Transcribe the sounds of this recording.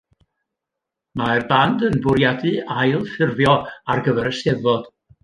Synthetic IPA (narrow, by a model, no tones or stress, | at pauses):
maɛrbandənbʊɾjadɨajlˠfɪrvjɔarɡəvɛɾəsɛðɔd̥